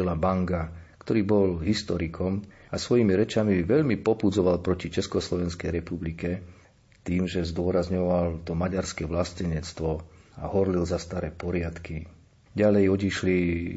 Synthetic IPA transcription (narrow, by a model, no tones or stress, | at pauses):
ilabaŋɡakt̪ɔɾiːbɔlɦist̪ɔɾikʰɔm | asʋɔjimiɾɛt͡ʃamiʋɛʎmipɔpud͡zɔʋalpɾɔcit͡ʃɛskɔslɔʋɛnskɛjɾɛpublikɛ | t̪iːmʒɛzd̪ʊɔɾazɲɔʋalt̪ɔmaɟaɾskɛʋlascɛɲɛt͡st̪ʋɔaɦɔɾlilzast̪aɾɛːpɔɾɪat̪ki | ɟalɛjɔɟiʃli